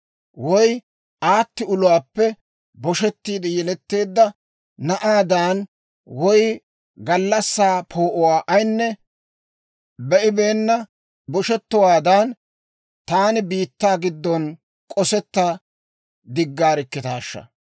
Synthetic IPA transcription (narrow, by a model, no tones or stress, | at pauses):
wɔj | ʔaːt̪ːɪʊlʊwaːpːɛ | bɔʃɛt̪ːiːd̪ɛjɛlɛt̪ːe̞ːd̪ːɐ | nɐʔaːd̪aːn | wɔj | ɡɐlːɐsːaːpʰoːʔɔwaːʔɐjnːɛ | bɛʔɪbe̞ːnːɐ | bɔʃɛt̪ːɔwaːd̪ɐn | t̪aːnɪbiːt̪ːaːɡɪd̪ːɔn | kʼɔsɛt̪ːa | d̪ɪɡːaːɾɪkːɪt̪aːʃːɐ̰